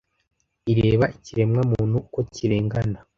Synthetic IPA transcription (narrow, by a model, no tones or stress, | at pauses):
iɾe̞ːβaʔiciɾe̞mŋamuːnhukociɾeːŋɡana